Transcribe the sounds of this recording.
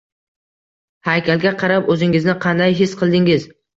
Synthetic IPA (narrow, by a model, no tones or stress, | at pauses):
hajkʲʰalɡʲaqʰɑɾapɵzɪŋɪznɪqʰɑnd̪ajɦɪsqʰɨlˠd̪ɪŋɪz